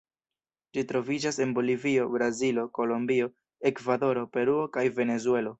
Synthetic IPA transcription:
d͡ʒitɾo̞vid͡ʒase̞nbo̞livio̞bɾazilo̞ko̞lombio̞ | e̞kvado̞ɾo̞pe̞ɾuo̞kajve̞ne̞zue̞lo̞

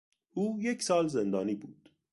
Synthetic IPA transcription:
uːjeksɑːlzend̪ɑːniːbuːd̪̥

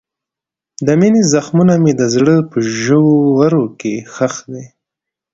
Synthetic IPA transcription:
d̪əminezaxmunamed̪əzɽəpəʒəwowaɾokexaxd̪e

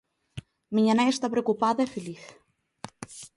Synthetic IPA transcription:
miɲanaest̪apɾeokupaðɐefeliθ

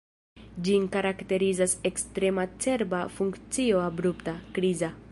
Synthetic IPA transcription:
d͡ʒinkaɾakte̞ɾizase̞kstɾe̞mat͡se̞ɾbafuŋkt͡sio̞abɾuptakɾiza

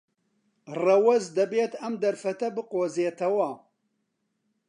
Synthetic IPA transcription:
rɐwɐzd̪ɐbeːt̪ɐmd̪ɐɾfɐt̪ɐbɨqoːzeːt̪ʰɐwɐ

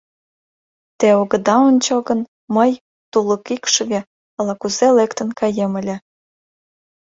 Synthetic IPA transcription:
t̪eoɣə̆d̪ɑonʲt͡ɕoɣən | məj | t̪uləkikʃəɣe | əlɑkuzelekt̪ə̆nkɑjemə̆lʲĕ

